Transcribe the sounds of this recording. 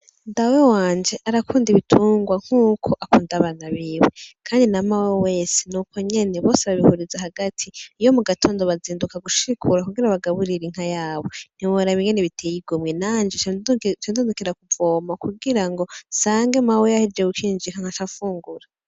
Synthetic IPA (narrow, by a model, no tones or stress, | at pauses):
ndawewaːnd͡ʒe̞ʔaɾakʰuːndiβitʰuːŋɡwaŋ̥huːkʰo̞ʔakuːndaβanaβiwekʰaːndinamaweewe̞ːsenukʰo̞ɲe̞neβo̞ːseβaβihuɾizahaɡatʰiijo̞muɡatʰo̞ːndo̞βaziːndukaɡuʃiikʰuɾakuɡiɾaβaɡaβuɾiɾiŋ̥ajaːβo̞n̥iwoɾaβiɲɡeneβitʰeːjiɡomŋe̞naːnd͡ʒet͡ʃt͡ʃendundukiɾakuvoːmakuɡiɾaŋɡo̞saːŋɡe̞mawejahiɾd͡ʒeɡukiːnd͡ʒiŋaŋ̥at͡ʃafuːŋɡuɾa